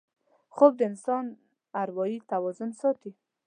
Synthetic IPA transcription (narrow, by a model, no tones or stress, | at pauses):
xob̚d̪əɪnsɑn | aɾwɑjit̪awɑzʊnsɑt̪i